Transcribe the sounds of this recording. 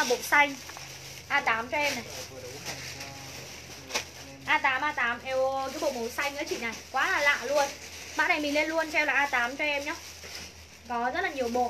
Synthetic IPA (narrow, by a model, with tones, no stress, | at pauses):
a˨˩ɓo̰˧˨sa˧jŋ̟ | ʔaː˧t̪aː˨˦mt͡ɕɔ˧ʔɛ˧mna˨˩j | ʔaː˧t̪aː˨˦mʔaː˧t̪aː˨˦mʔɛ˧w̪ɨ˨˦ɓo̰˧˨˩ɓo˨˩sa˧jŋ̟ʔəː˨˦t͡ɕḭ˧˨na˨˩jkwaː˨˦laː˨˩la̰ː˧˨lu˧ənɓa̰ː˧˨na˨˩jmï˨˩ŋle˧nlu˧ənt͡ɕɛ˧wlaː˨˩ʔːt̪aː˨˦mt͡ɕɔ˧ʔɛ˧mɲɔ˨˧˦wŋ͡m | kɔ˨˦zə˦˥t̚laː˨˩ɲi˨˩əwɓo̰˧˨